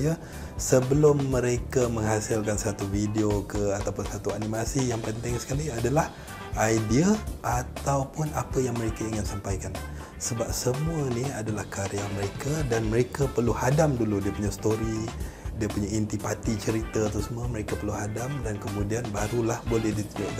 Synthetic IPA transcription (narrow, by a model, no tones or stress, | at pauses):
ja | səbəlʊmːəɾekaməŋɦasɪlkansat̪ufideokəat̪awpʊnsat̪uanimasijaŋpənt̪ɪŋsə̥kaliadalah | ajdiaʔat̪awpʊnapəjaŋməɾekaiŋɪnsampajkan | səbap̚səmuəniadalahkaɾiaməɾekadanməɾekapərluhadamduludiəpuɲast̪oɾi | diəpuɲaint̪ipat̪it͡ʃəɾit̪aːt̪usəmuəməɾekapərluɦadamdankəmũdianbaɾulahbolɛhdit̪uɲd͡ʒoʔk